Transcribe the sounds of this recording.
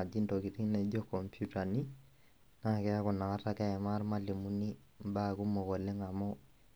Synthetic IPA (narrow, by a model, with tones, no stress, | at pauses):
a˨d͡ʒi˦nto˨ki˨ti˦ŋnɛ˨d͡ʒɔ˦kɔ˨mpʰjuta˨ni˦ | na˦˨kɛ˦a˦kɔ˨na˨ŋa˦tːa˦kɛ˦ɛ˨ma˦a˦ɾma˦li˨mu˦ni˦ | mbaku˦mɔ˨kɔ˨lɛ˦ŋa˨mɔ˦